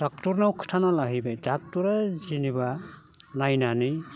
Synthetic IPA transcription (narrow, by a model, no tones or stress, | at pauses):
d̥ak̚tuɾnawkʰɯ̥tʰanalaɦibajdak̚tuɾazinibanajnanɯj